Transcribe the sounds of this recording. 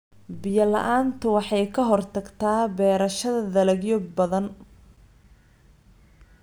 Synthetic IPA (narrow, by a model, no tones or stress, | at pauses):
bɪjɐlɐ̰ʔaːnt̪ʰʊwɑħɑjkʰɐɦɔrt̪ʰɐɡt̪ʰaːbɛːɾɐʃɐðɐðɐlɛɡjɔbɐðɐn